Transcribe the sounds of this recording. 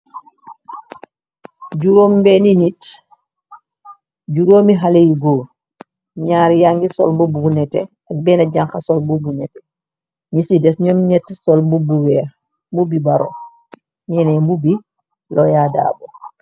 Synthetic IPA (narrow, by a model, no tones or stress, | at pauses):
ɟuɾoːmbɛninit | ɟuɾoːmiɦalejɡoː | ɲaːɾjaŋɡisɔ̰lmbubuunɛtɛ̰ | ak̚bɛːnaɟaŋxasɔlmbubunɛtɛ̥ | ɲisidɛsɲɔmɲɛtːsɔlmbubuwɛːɾ | mbubibaɾo̰ | ɲɛnɛmbubi | lɔjada̰ːbo